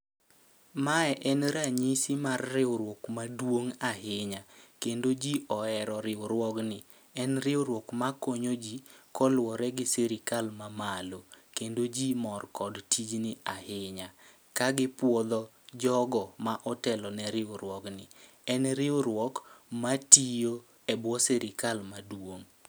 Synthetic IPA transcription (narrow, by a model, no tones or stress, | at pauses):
maɛʔɛnɾaɲisimarːɪoɾwɔkmadwoŋahɪɲakendod͡ʒiɔɛɾɔɾɪoɾwɔknɪ | ɛnɾɪoɾwɔkmakoɲod͡ʒikɔlwɔɾɛɡɪseɾɪkalmamalokendod͡ʒimɔrkɔdtʰid͡ʒnɪahɪɲa | kaɡɪpwɔd̪ɔ | d͡ʒɔɡɔmaʔɔtɛlɔnɛɾɪoɾwɔknɪ | ɛnɾɪoɾwɔkmatijo | ɛbwɔseɾɪkalmadwoŋ